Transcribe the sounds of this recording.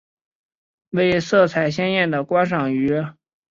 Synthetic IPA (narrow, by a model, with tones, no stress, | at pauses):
we˥˧ɪsɤ˥˩t͡sʰa˨˩ɪɕ̬jɛ˥njɛ˥˩nd̪ə˩kwɑ˥ŋʂɑ˨˩ŋy˧˥